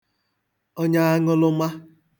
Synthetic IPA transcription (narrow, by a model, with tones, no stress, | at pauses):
o˦ɲa˦a˦ŋʊ˦lʊ˦ma˦